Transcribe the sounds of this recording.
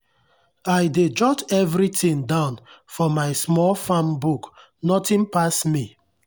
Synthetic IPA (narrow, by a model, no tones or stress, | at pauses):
aɪded͡ʒɔtɛvɾitʰĩŋdãʊ̃nfɔmaɪsmɔlfãmbuk | nɔtĩnpasmi